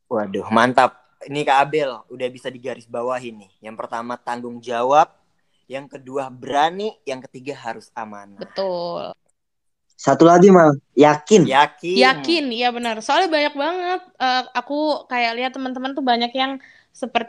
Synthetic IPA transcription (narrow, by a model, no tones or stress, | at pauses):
wadʊhmant̪ap̚ | inikabɛludahbisadiɡaɾɪsbawaɦinɪjaŋpərt̪amat̪aŋɡʊŋd͡ʒawap̚ | jaŋkəduahbəɾanijaŋkət̪iɡaɦaɾʊsamanabət̪ʊl | sat̪ulaɡimajakɪnjakɪjaɪnjabənərsoalɛhbaɲak̚baŋət̪̚əːakukajakliɦat̪ːəmənt̪əmənt̪ubaɲakjaŋ | səpərt̪